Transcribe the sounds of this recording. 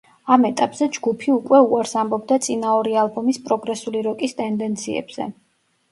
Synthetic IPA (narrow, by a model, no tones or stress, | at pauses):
amɛt̪ʼapʼz̥ɛd͡ʒɡupʰiukʼwɛuaɾsambɔbd̪at̪sʼinaɔɾialˠbɔmispʼɾɔɡɾɛsuliɾɔkʼist̪ʼɛnd̪ɛnt̪sʰiɛ̰bz̥ɛ̰